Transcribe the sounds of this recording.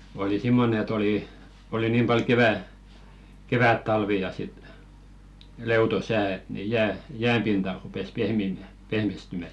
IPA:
oli simːonĕ et oliˑ oli niːm pɑl keʋæ keʋætːɑlʋi jɑ sit leuto sæː et ni jæː jæːm pintɑ rupes pehmiˑmæˑ pehmistymæ

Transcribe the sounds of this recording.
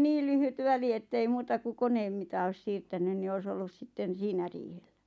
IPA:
niː lyhyt ʋæli etːei muːtɑ ku koneːm mitɑ oĭs siːrtænyn ni ois olːus sitːen̞ siːnæ riːhel̥ːæ̥

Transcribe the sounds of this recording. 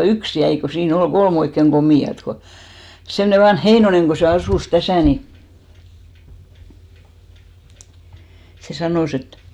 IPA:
yks jæi ko siːn ol ɡ̊olm oikːeŋ ɡ̊omiˑɑt ko semne ʋɑnh heinoneŋ ko se ɑsuˑs tæsæˑ ni se sɑnoˑs et

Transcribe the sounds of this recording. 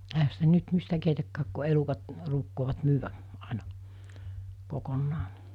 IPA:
ehæ sitæ nyt mistæ keitækːæːk ku elukɑt ruːkːoːʋɑt myːʋæ ɑˑenɑ kokonːɑː

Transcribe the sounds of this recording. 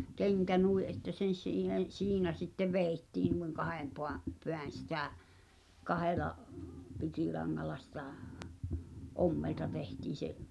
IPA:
keŋkæ nui ʔetːæ sen̞ siːhen siːnæ sitːeʋ ʋeˑi̞tːiːn nuiŋ kɑhem poɑ̟ peæn̞ sitæˑ kɑhelɑ pikilɑŋːɑlɑ sitɑ̥̠ˑ ʔomːeltɑ tehtiːn̞̆ seʔ

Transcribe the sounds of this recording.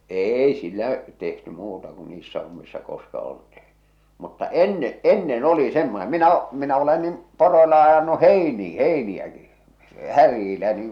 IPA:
eːi silˑæʔ tehty muːtɑ ku niːsːæ homːisːɑ koskɑ oltiː mutːɑ enːe enːen oli semːone minæ o minæ ole nim poroilɑ ɑjɑnu heiniː heiniæki hærjiːlæ niːŋ

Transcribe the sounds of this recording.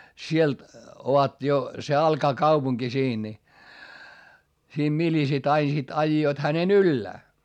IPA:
sielt oʋɑt jo se ɑlkɑː kɑupuŋki siːn ni siːm milisit ɑin sit ɑijːoit hænen ylːæː

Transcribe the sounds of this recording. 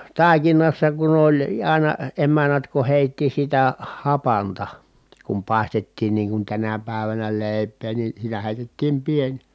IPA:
tɑˑikinɑsːɑ kun olʲ ɑˑi̯nɑ emænːæt ku heˑitːi sitæ hɑpɑntɑ kum pɑˑi̯stetːiːn niːŋ kun tænæ pæˑeʋænæ leˑi̯pˑeː ni sitæ heˑitetːiːm pienʲ

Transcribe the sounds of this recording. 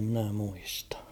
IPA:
mĭnæ muistɑ̥

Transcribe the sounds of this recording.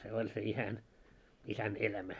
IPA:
se olʲ se isæn isæn elæmæ

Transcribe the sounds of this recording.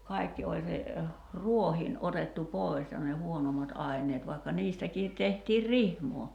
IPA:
kɑi̞kːi olʲ se ruohiːn otetːu poˑi̞s jɑ ne huonomɑt ʔɑi̞nˑeːt ʋɑi̞kːɑ niːstækiːt tehtiːr rihmoː

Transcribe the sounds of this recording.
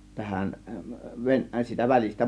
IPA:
tæhæn ʋen siːtæ ʋælistæ

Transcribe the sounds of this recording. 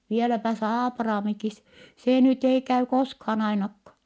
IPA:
ʋielæpæ s ɑːprɑːmikis seˑ nyt ei kæy koskhɑːn ɑinɑkːɑ

